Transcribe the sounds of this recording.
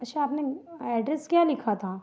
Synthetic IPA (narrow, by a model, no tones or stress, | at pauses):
ɐtːʃʰaːpneɛːɖɾɛskjaːlɪkʰat̪ʰaː